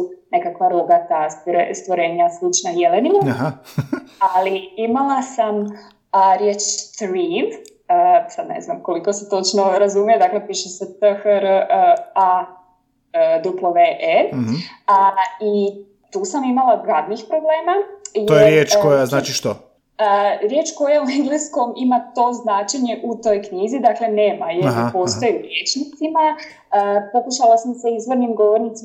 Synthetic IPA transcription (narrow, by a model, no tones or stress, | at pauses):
ne̞kakʋaɾuɡat̪ast̪ɾest̪ʋoɾe̞ːɲaslit͡ʃnajelenimaaɦa | aliimalˠasam | ɾjeːt͡ʃt̪ɾiʋ | əsad̪nḛznamko̞liko̞set̪o̞t͡ʃnoɾazumijed̪aklepiːʃeset̪əxɾ | a | d̪uplˠoʋeʔe | ai | t̪uːsamimalaɾad̪nixpɾo̞ble̞ːmajojeɾɾjeːt͡ʃkojaznaːt͡ʃiʃt̪o | əɾje̞t͡ʃkojaueŋɡlisko̞mimat̪o̞ːznaːt͡ʃeɲe̞ʔut̪o̞jkɲizid̪akle̞ne̞ːmajeɾpo̞st̪ojuɾjeːt͡ʃnit̪sima | əpokuʃalasamse̞izʋo̞ɾnimɡo̞ʋo̞ɾnit̪si